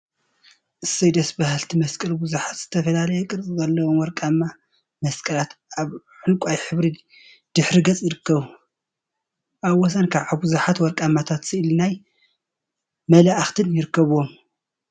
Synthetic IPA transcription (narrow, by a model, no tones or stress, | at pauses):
ʔɨsɐjd̪ɐsbahalt̪ʰimɐskʼɐlbuzuħat̪z̥ɨt̪ʰɐfɐlalɐjɛkʼɨɾt͡sʼizɐlːɐwomwɔɾkʼamːa | mɐskʼɐlat̪aβ | ħɨnkʷʼajħɨβɾi | d̪̥ɨħɾiɡɐt͡sʼjɪɾɨkːɐβu | ʔaβwɔs̬ɐnkʰaβʕaβbuzuħat̪wɔɾkʼamːat̪ʰat̪sɨʔɨlnaj | mɐlaʔaxt̪ʰɨnjɪɾɨkːɐβom